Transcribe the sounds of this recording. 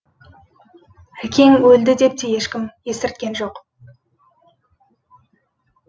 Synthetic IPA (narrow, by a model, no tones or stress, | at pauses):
ækʲe̞ŋɵld̪ɪd̪e̞p̚t̪eje̞ʃkʲɪmje̞sɪɾt̪̚kʲe̞nʒo̞q